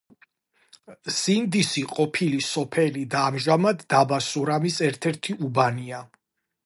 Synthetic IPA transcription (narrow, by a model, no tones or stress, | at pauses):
z̥ind̪isiqʼɔpʰilisɔpʰɛlid̪aːmʒamad̪ːabasuɾamisɛɾt̪ʰɛɾt̪ʰiubania